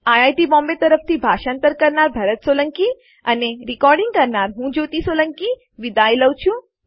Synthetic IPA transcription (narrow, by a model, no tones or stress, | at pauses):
ajaːjʈibɔ̃ːmbet̪əɾəp̚ʰt̪ʰibʱaʃãnt̪əɾkəɾnaɾbʱɐɾət̪soləŋki | əneɾikɔɾɖĩŋɡ̚kəɾnaɾɦũd͡ʒot̪isolə̃ŋki | ʋid̪aːjləʋt͡ʃʰũ